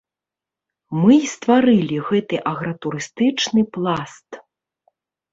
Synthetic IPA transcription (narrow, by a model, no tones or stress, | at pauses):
mɨst̪vaɾɨlʲiɣɛt̪ɨʔɐɣɾɐt̪uɾɨst̪ɨt͡ʂnɨplˠast̪